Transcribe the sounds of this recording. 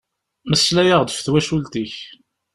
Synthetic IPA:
məslæjəʁd̪əfθwæʃult̪iç

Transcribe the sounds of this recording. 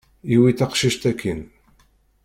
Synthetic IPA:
iwiθɑqʃiʃt̪ækʰːən

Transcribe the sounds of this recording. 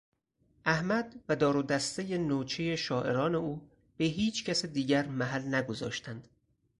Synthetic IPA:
ʔæhmæd̪væd̪ɒːɾod̪æst̪ejenoːt͡ʃʰejeʃɒːʔe̞ɾɒːne̞uː | b̥eɦiːt͡ʃʰcæsed̪iːɟæɾmæɦælnæɡo̞zɒ̰ːʃt̪ʰænd̪̥

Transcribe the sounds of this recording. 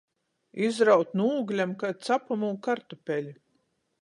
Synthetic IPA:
izɾawt̪nuːɡlʲamkat̪sapamuːkaɾt̪ɔpʲɛlʲi

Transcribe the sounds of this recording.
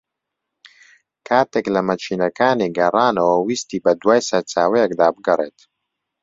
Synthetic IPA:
kʰaːt̪eːklɐmɐt͡ʃʰiːnɐkaːniɡɐraːnɐwɐwiːst̪iːbɐd̪waːjsɐɾt͡saːwɛjɛkd̪aːbɨɡɐreːt̪

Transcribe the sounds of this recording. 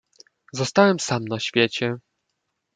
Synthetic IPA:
zɔst̪awɛmsamnaɕfʲjet͡ɕɛ

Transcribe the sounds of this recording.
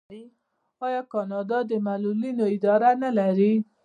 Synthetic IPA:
ɑjɑkɑnɑd̪ɑd̪əmalulinoɪd̪ɑɾanalaɾi

